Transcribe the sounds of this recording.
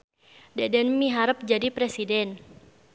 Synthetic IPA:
dɛdɛnmiɦaɾəp̚d͡ʒadipɾesidɛn

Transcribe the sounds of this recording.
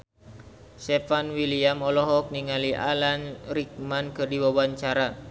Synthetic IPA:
sɛfanwiliamɔlɔɦɔk̚niŋaliʔa̰lanrik̚mankɨrdiwabaɲt͡ʃaɾa

